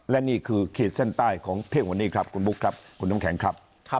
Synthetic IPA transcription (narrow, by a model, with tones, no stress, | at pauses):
lɛ˦˥ʔniː˥˩kʰɯː˧kʰeː˨˩t̪̚se˥˩nt̪aː˥˩jkʰɔː˩˦ŋpʰeː˥˩k̚wa˧nːiː˥˩kʰɾa˦˥p̚kʰu˧nbu˦˥kʰɾa˦˥p̚kʰu˧nːa˦˥ŋkʰɛ˨˩˦ŋkʰɾa˦˥p̚ʰ